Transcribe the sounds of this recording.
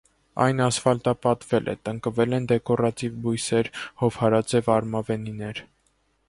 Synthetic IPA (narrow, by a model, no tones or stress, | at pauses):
ɑ̰jnɑsfɑlt̪ɑpɑt̪vɛlʔɛ̰t̪əŋkəvɛlɛnd̪ɛkɔɾɑt̪ivbujsɛɾhɔvhɑɾɑt͡sɛvɑɾmɑvɛninɛɾ